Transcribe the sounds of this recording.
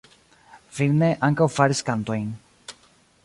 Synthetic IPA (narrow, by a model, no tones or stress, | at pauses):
filneʔaŋkawfaɾiskant̪oiŋ